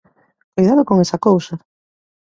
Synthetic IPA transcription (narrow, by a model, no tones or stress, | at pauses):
kojðaðokoŋesɐkowsa